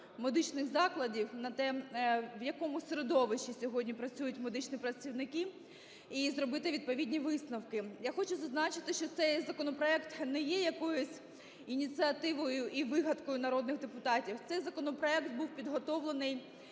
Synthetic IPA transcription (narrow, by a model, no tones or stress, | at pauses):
med̪ɪt͡ʃnɪxzɑklˠɐdʲiwnɐt̪ɛʋjɐkɔmʊsʲeɾed̪ɔʋɪʃisʲɔɦɔdʲnʲipɾɐt͡sʲujʊtʲmed̪ɪt͡ʃnʲipɾɐt͡sʲiwnɪki | izɾɔbɪt̪ɪʋʲid̪̚pɔʋʲidʲnʲiʋɪsnɐwkɪjaxɔt͡ʃʊzɐznɑt͡ʃɪt̪ɪʃt͡ʃɔt̪sɛjzɐkɔnɔpɾɔɛkt̪nɛjɛjɐkɔjʊsʲ | inʲit͡s̪ʲɨɐt̪ɪʋɔjʊʔiʋɪɦɐt̪kɔjʊnɐɾɔd̪̚nɪɣd̪epʊt̪ɑtʲiwt̪sɛjzɐkɔnɔpɾɔɛkt̪̚buwpʲid̪ɦɔt̪ɔʋlˠenɪj